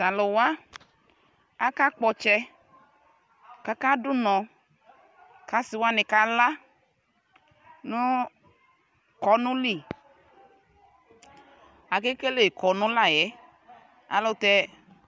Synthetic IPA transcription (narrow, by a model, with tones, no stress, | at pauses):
ta˨lɔ˨wa˦ | a˦ka˦k͡pɔ˧t͡ʃɛ˧ | ka˨˦ka˦dʊ˦nɔ̃˨ | ka˨si˨wa˦nɛ˨ka˨la˦ | nu˦ | kɔ˨˦nũ˦li˦˨ | a˨ke˦ke˦le˦˨kɔ˨nũ˦la˦˨jɛ˨˦ | a̰˨lɔ˦t̪ɛ˧